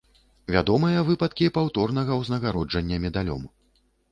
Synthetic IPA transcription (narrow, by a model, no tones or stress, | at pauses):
vʲad̪ɔmɨjɐvɨpɐt̪kʲipawt̪ɔrnɐɣɐwznɐɣaɾɔd͡ʐɐnʲːɐmʲɛd̪alʲɔ̰m